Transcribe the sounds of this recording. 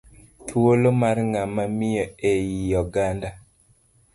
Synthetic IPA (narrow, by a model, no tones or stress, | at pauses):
t̪ʰwolomarŋamamɪjɔejijɔɡanda